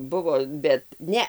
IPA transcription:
ˈbʊʋoː bʲɛt ˈnʲɛ

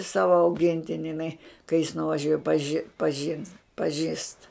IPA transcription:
ˈsɑːʋɐ ɐʊˈɡʲɪnʲtʲɪnʲɪ ɪˈnɐɪ kɐɪ jɪs nʊʋɐˈʒʲuɔj ɐ pɐˈʒʲɪ pɐˈʒʲɪns pɐˈʒʲiːst

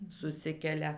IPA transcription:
sʊˈsʲɪkʲɛlʲɛ

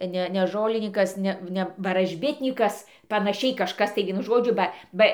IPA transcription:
ˈnʲɛ nʲɛ ˈʒoːlʲɪnʲiːkɐs ˈnʲɛ ˈnʲɛ ʋɐrɐʒʲˈbʲɪtʲnʲiːkɐs pɐnɐˈʃʲɛɪ kɐʃˈkɐs tɐɪ ˈʋʲiɛnʊ ˈʒoːd͡ʒʲʊ ˈbɐ ˈbɐ

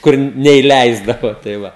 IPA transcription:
ˈkʊr nʲɛɪˈlʲɛɪzdɐʋoː tɐɪ ˈʋɐ

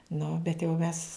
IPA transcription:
ˈnʊ bʲɛt jɛʊ ˈmʲɛs

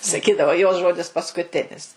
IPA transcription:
sɐˈkʲiːdɐʋoː joːs ˈʒoːdʲɪs pɐskʊˈtʲɪnʲɪs

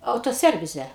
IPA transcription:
ˌɐʊtoːˈsʲɛrʲʋʲɪzʲɛ

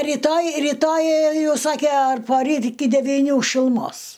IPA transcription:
rʲɪtoːj rʲɪˈtoːj ˈjɛʊ ˈsɑːkʲɛ ɐr poːˈrʲiːt ɪkʲɪ dʲɛʋʲiːˈnʲuː ʃʲɪlˠʊˈmoːs

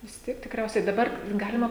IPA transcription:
ʋʲɪs ˈtʲiɛk tʲɪkˈrʲɛʊsʲɛɪ dɐˈbɐr ˈɡɑːlʲɪmɐ

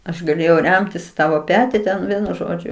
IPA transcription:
ɐʃ ɡɐˈlʲeːjɛʊ ˈrʲɛmʲtʲɪs ɪ ˈtɑːʋoː ˈpʲæːtʲɪ tʲɛn ˈʋʲiɛnʊ ˈʒoːd͡ʒʲʊ

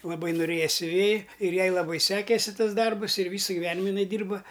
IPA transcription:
lˠɐˈbɐɪ noːˈrʲeːjɛ sʲʊˈʋʲeːjɪ ɪr ˈjɛɪ lˠɐˈbɐɪ ˈsʲæːkʲeːsʲɪ ˈtɐs ˈdɐrbʊs ɪr ˈʋʲiːsɐ ɡʲɪˈʋʲæːnʲɪmɐ ɪˈnɐɪ ˈdʲiːrbɐ

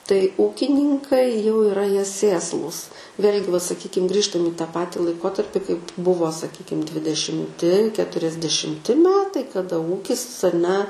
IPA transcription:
tɐɪ ˈuːkʲɪnʲɪŋkɐɪ jɛʊ ɪˈrɐ ˈjiɛ ˈsʲeːslˠuːs ˈʋʲeːlʲɡʲɪ ʋɐ sɐˈkʲiːkʲɪm ˈɡrʲiːʃtɐm iː tɑː ˈpɑːtʲɪ lˠɐɪˈkoːtɐrʲpʲɪ kɐɪp ˈbʊʋoː sɐˈkʲiːkʲɪm dʲʋʲɪdʲɛʃʲɪmʲˈtʲɪ kʲɛtʊrʲɛzʲdʲɛʃʲɪmʲˈtʲɪ ˈmʲæːtɐɪ kɐˈdɐ ˈuːkʲɪs ɐˈnʲɛ

